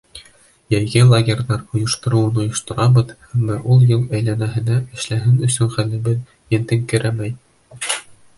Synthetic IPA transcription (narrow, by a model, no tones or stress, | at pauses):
jæjɡɘlˠaɡʲerʲðɑɾŏjŏʃt̪ŏɾŏwɤnŏjŏʃt̪ŏɾɑbɤðhæmːɑʔulˠjɤlˠæjlænæɦɘ̆næɘ̆ʃlæɦɘnɵ̆sɵnχælɘ̆bɘð | jɘ̆nt̪ɘŋkɘ̆ɾæmæj